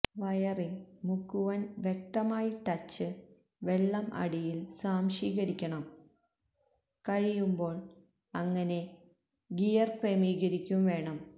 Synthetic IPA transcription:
ʋɐjɐrilmukːuʋɐnʋjek̚t̪ɐmaːjiʈɐt͡ɕːɨ | ʋe̞ɭːɐmɐ̰ɽijilsaːmʂiːɣɐɾikʲːɐɳɐm | kɐɻijumbo̞ːɭ | ɐŋːɐne̞ | ɡijɐrkremiːɣɐɾikʲːumʋe̞ːɳɐm

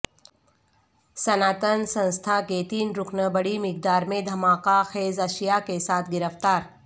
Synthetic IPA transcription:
sənaːt̪ənsə̃nst̪ʰaket̪iːnɾʊkʰnəbəɽimɪk̚d̪aːɾmẽd̪ʱɐmaːkaxeːzɐʃijakesaːt̪ʰɡɪɾəft̪aːɾ

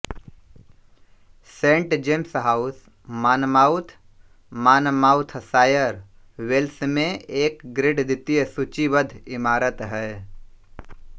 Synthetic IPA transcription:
sẽːɳʈd͡ʒemsɦaːʊs | maːnmaːʊt̪ʰ | maːnmaːʊt̪ʰsaːjəɾ | ʋelsmẽeːkɡɾɪɖd̪ɪt̪ijəsut͡ʃibəd̪ʱɪmaːɾət̪ɦɛː

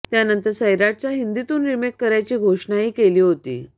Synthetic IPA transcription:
t̪janənt̪əɾsəjɾaʈ̚t͡ɕjaɦind̪it̪uːnɾimekːəɾajt͡ɕiːɡʱoʂɳaɦiːkeliːɦot̪ḭː

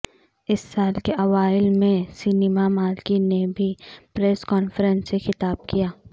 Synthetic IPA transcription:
ɪsːaːlkeʔɐʋaːɪlmẽsɪneːmamaːlkinebʱipɾɛːskɔːnfəɾənsexɪt̪aːb̚kijaː

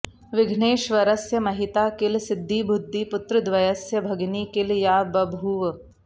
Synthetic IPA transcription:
ʋɪɡʱneːʃʋɐɾɐsjɐmɐɦit̪aːkɪlsɪd̪ʱːibʱud̪ʱːipʊt̪ɾɨd̪ʋɐjɐsjɐbʱɐɡniːkɪljaːbɐbʱuːʋ

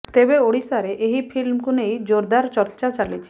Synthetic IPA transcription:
t̪ebeoɽisaɾeʔeɦipʰilmkunejd͡ʒoɾd̪aɾt͡ʃɔɾt͡ʃat͡ʃalit͡ʃʰi̥

